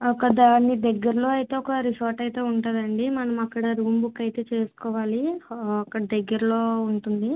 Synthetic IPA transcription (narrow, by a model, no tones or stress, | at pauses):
ɔkɐd̪aːnːid̪ɐɡːɐɾɐlo̞ːɐjt̪e̞ːɔkɐɾiʃoːɾʈɐjt̪e̞ːuɳʈaːd̪ɐɳɖimɐnɐmɐkːɐɽɐɾuːmbukɐjt̪e̞ːt͡ʃe̞ːsu̥kɔːʋaːliɐkːɐɽɐd̪ɐɡːɐɾɐlo̞ːuɳʈund̪i